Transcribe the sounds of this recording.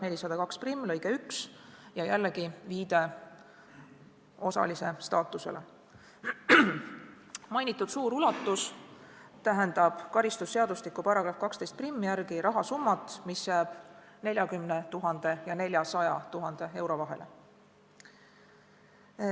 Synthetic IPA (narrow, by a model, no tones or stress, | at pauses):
ne̞lʲisɑd̪̥ɑkɑksprimːlɤjɡ̥eyksjɑjælːeɡiviːd̪̥e̞ | o̞sɑ̰lise̞st̪ɑːt̪ːˑuse̞̰lʔe | mɑjnit̪ːˑud̪̥suːɾulɑt̪ːˑus | t̪æɦe̞nd̪̥ɑb̥kɑɾist̪usːe̞ɑd̪̥uslikːˑupɑɾɑɡ̥ɾɑfkɑkst̪e̞jst̪̚primːijæɾɡiɾɑɦɑsumːɑt̪ːˑmisjæːb̥ | ne̞lʲjɑkymnet̪uɦɑnd̪̥e̞jɑne̞lʲjɑsɑjɑ̰t̪uɦɑnd̪̥e̞e̞wɾo̞vɑɦe̞̰lḛ